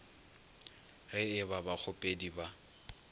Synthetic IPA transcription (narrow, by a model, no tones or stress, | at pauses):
ɣɪɪbabak͡xʰʊpʼediba